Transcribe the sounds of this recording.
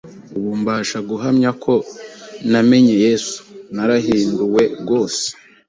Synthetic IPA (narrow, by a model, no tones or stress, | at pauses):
uβuːmbaːʃaɡuɦamɲakʰo̞name̞ɲe̞je̞ːsu̥naɾaɦiːnduwe̞ɡo̞ːse̥